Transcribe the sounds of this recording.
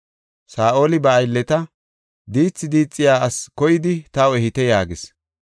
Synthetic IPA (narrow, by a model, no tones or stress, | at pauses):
saːʔo̞ːlɪbɐːjlːɛt̪ɐ | d̪iːt͡sːɪd̪iːt͡sʼːɪjaːɐskɔjɪd̪ɪt̪ɐwɛhɪt̪ɛjaːɡɪs